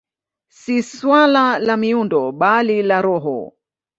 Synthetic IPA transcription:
siswalalamiundɔɓalilaɾɔɦɔ̰

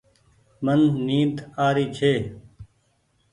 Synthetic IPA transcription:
mənːiːd̪aːɾiːt͡ʃʰeː

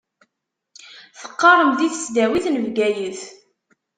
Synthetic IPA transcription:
θə̥qːɑɾˤəmðiθə̥sd̪æwiθnəvɡæjəθ

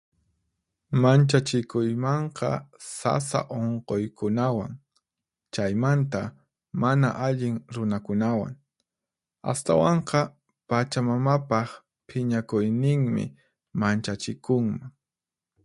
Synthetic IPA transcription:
mant͡ʃat͡ʃɪkʊjmɑɴqɑ̰sa̰sa̰ʔoɴqojkʊnawa̰ŋ | t͡ʃajmant̪a | mana̰ʔaʎɪŋɾʊnakʊnawa̰ŋ | a̰st̪a̰wɑɴqɑ | pat͡ʃamamapɑχ | pʰɪɲakʊjnɪŋmɪ̰ | mant͡ʃat͡ʃɪkʊŋmaŋ

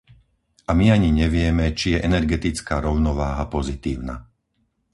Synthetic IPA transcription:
ʔamiaɲiɲɛʋɪɛmɛt͡ʃijɛʔɛnɛɾɡɛt̪it͡skaːɾɔʊnɔʋaːɦapɔzit̪iːʊna̰

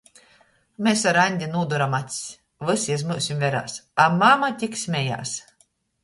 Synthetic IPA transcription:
mʲesaɾanʲd̪ʲinuːd̪uɾamat̪ʲsʲ | vɨsiɛzmɨːsʲimvʲɛɾa̰ːsamamat̪ʲiksʲmʲɛja̰ːs

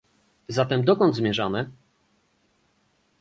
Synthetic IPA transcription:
zat̪ɛmd̪ɔkɔnd̪zmʲjɛʐamɘ

